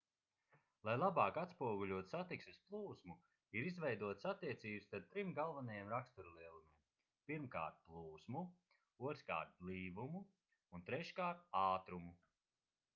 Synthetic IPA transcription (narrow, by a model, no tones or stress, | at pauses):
lˠajlˠabaːkat̪spuɔɡuʎʲuɔt̪sat̪iksɛsplˠuːsmu | iɾizvɛjd̪uɔt̪sat̪ːiɛt̪siːbst̪aɾ̚t̪ɾimɡalˠvanajɛmɾakst̪uɾlˠiɛlˠumʲiːm | piɾmka̰ːɾt̪̚plˠuːsmu | uɔt̪ɾka̰ːɾt̪̚liːvumuː | nt̪ɾɛʃkaːɾt̪̚aːt̪ɾumu